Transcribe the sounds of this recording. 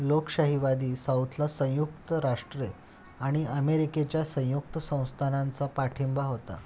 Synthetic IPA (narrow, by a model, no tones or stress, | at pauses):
lokɕaɦiʋad̪iːsawt̪ʰlasə̃j̃juk̚t̪əɾaʂʈɾe | aɽ̃iəmeɾiket͡ɕjasə̃juk̚t̪əsə̃w̃st̪ʰanant͡sapaʈʰimbaɦot̪a̰